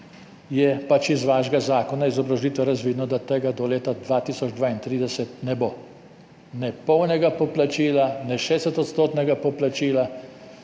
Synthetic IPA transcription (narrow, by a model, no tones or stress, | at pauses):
jɛpat͡ʃizʋaːʒɡazaːkɔnaizɔbɾaʒliːt̪ʋɛɾazʋiːd̪nɔd̪at̪ɛɡad̪ɔleːt̪ad̪ʋaːt̪iːsɔd͡ʒd̪ʋaːint̪ɾiːd̪ɛsɛt̪̚nɛboː | nɛpɔwnɛɡapɔplat͡ʃiːlanɛʃeːsɛt̪ɔt̪st̪oːt̪nɛɡapɔplat͡ʃiːla